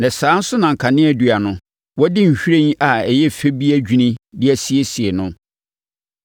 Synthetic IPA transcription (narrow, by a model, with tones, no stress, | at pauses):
nã˨sãː˨˦n̩˦sʊ˦nã˨ŋ̩˨kʰa˨nɪ̃˦æ˨du˨a˨nʊ̃˦ | wɔ˦dɪ˦ɲ̩˨ɕᶣi˦ɾẽ˦ɲ˦ʔa˨ɛ˨jɛ˦fe˦bi˦æ˦d͡ʑᶣi˦nɪ̃˦dɪ˦æ˦si˦e˦si˨e˨nʊ̃˦